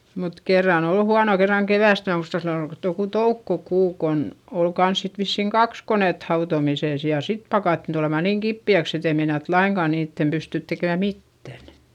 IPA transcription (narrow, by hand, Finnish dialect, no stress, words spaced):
mut kerːɑn ol huɑno kerːɑŋ keʋæˑst mæː muistɑ silːo ol joku toukːokuː kon ol kɑns sit ʋisːiˑŋ kɑks koneˑt hɑutomiseˑs jɑ sit pɑkɑˑtːin tulemɑ niŋ kipːiæks et ei meinɑt lɑiŋkɑˑ niːtːem pystyˑt tekeˑmæ mitːæn